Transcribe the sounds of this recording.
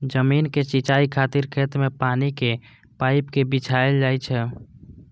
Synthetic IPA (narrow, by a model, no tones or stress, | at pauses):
d͡ʒəminket͡ʃit͡ʃaikʰat̪iɾkʰet̪mepanike | paɪpkebit͡ʃʰaeld͡ʒajt͡ʃʰɛ